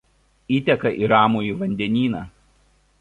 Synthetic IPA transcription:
iːt̪ʲɛkɐʔiɾɑːmoːiːˑʋɐnʲd̪ʲɛnʲiːnɑː

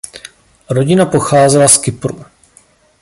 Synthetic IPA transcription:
ɾo̞ɟɪnapo̞xaːzɛlaskɪpɾṵ

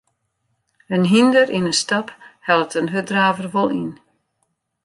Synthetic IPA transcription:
ənɦindərʔinənstɑphɛlˠətənɦødraːvərʋolˠin

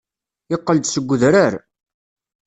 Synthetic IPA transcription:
ɪqːəld̪səɡʷːəðɾaɾ

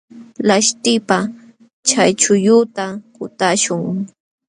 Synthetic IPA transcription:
laʃt̪ɪpa | t͡ʃajt͡ʃʊjʊt̪akʊt̪aʃʊŋ

